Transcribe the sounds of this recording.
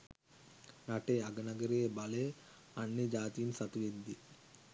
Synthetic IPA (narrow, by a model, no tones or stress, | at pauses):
naʈeaɡɐnɐɡəɾebale | anːed͡ʒaːt̪ijinsɐt̪uʋed̪ːi